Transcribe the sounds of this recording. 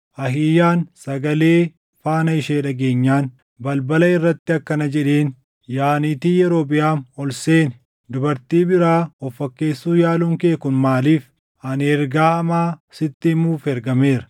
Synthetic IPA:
ʔɐɦiːjaːnsɐɡɐleː | faːnɐɪʃeːᶑɐɡe̞ːɲːaːn | bɐlbɐlɐɪrːɐt̪ːɪɐkːɐnɐd͡ʒɛᶑeːn | jaːniːt̪iːjɛɾo̞ːbɪjaːnɔlseːnɪ | d̪ʊbɐɾt̪iːbɪɾaːɔfːɐkːe̞ːsːuːjaːlʊŋkeːkʊnmaːliːf | ɐnɛɾɡaːhɐmaːsɪt̪ːɪmuːfɛɾɡɐme̞ːɾɐ̥

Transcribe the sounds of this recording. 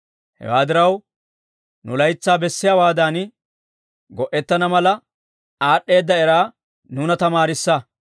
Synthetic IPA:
hɛ̰waːd̪ɪɾɐw | nʊlɐjt͡sːaːbɛsːɪjaːwaːd̪aːn | ɡɔʔɛt̪ːɐnɐmɐlɐ | aːɗːe̞ːd̪ːɐɛɾaː | nuːnɐt̪ɐmaːɾɪsːɐ

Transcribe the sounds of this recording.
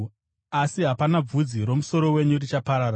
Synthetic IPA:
asiɦapanab͡vud͡ziɾo̞muso̞ɾo̞we̞ɲurit͡ʃapaɾaːɾa

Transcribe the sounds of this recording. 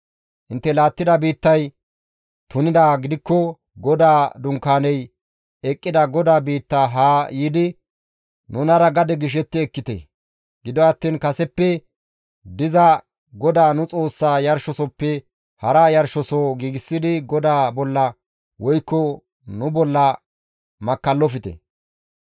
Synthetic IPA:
ʔɪnt̪ːɛlaːt̪ːɪd̪ɐbiːt̪ːɐj | t̪ʊnɪd̪aːɡɪd̪ɪkːɔ | ɡɔd̪aːd̪ʊŋkːaːnɛj | ɛkʼːɪd̪ɐɡɔd̪aːbiːt̪ːaːɦaːjiːd̪ɪ | nʊnɐɾɐɡɐd̪ɛɡɪʃ̬ɛt̪ːɪɛkːɪt̪ḛ | ɡɪd̪ɔɐt̪ːiːnkɐsɛpːɛ | d̪ɪzɐ | ɡɔd̪aːnʊt͡sʼo̞ːsːaːjɐɾʃɔsɔpːɛ | hɐɾajɐɾʃɔsoːɡiːɡɪsːɪd̪ɪɡɔd̪aːbɔlːɐ | wɔjkːɔ | nʊbɔlːɐ | mɐkːɐlːɔfɪt̪ɛ̰

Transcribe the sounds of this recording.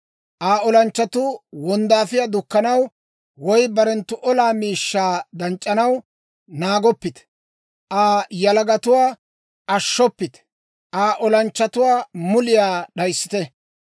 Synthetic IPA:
ʔaːɔlɐnt͡ʃːɐt̪ʊwɔnd̪aːfɪjad̪ʊkːɐnɐw | wɔjbɐɾɛnt̪ːʊʔɔlaːmiːʃːaːd̪ɐnt͡ʃʼːɐnɐw | naːɡɔpːɪt̪ | ʔaːjɐlɐɡɐt̪ʊwaː | ʔɐʃːɔpːɪt̪ | ʔaːʔɔlɐnt͡ʃːɐt̪ʊwaːmʊlɪjaːɗɐjsːɪ̥t̪ɛ

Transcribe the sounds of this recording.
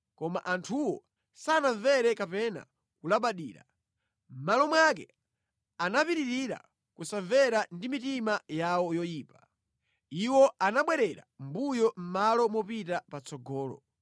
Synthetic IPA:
kɔma̰ʔantʰuwɔ | sanaɱvɛɾɛkapɛna̰ | kulaɓaɗiːɾa̰ | m̩malɔmwak̬ɛ̰ | anapiɾiɾiɾa̰ | kusaɱvɛɾandimitimajawɔjɔjiːpa | iwɔanaɓwɛɾɛɾa̰mbujɔm̩malɔmwɔpitapat͡sɔɡɔːlɔ̰

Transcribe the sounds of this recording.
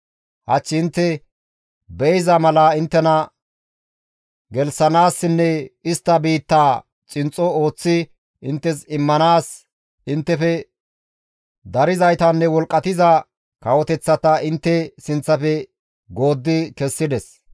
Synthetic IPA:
hɐt͡ʃːɪɪnt̪ːɛ | bɛjzɐmɐlɐɪnt̪ːɛnɐ | ɡɛlsɐnaːsːɪnːɛɪst̪ːɐbiːt̪ːaː | t͡ʃʼɪnt͡sʼːɔo̞ːt͡sːɪ | ɪnt̪ːɛsɪmːɐnaːs | ɪnt̪ːɛfɛ | d̪ɐɾɪzɐjt̪ɐnːɛwɔlkʼːɐt̪ɪzɐ | kɐwɔt̪ɛt͡sːɐt̪ɐʔɪnt̪ːɛsɪnt͡sːɐfɛ | ɡo̞ːd̪ːɪkɛsːɪd̪ɛs

